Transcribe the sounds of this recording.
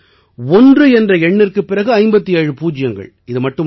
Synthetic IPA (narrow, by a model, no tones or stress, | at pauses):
ɔndrɯɛndrɐɛɳːɪrkɯpːɪrɐɣɯɐɪmbɐt̪ːijɐɻɯpuːd͡ʒɪjɐŋɡɐ̰ɭ | ɪðɯmɐʈːɯ